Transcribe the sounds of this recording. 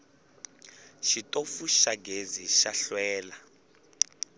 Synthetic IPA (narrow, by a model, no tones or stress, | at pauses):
ʃitʼofuʃaɡeziʃaɬwɛːla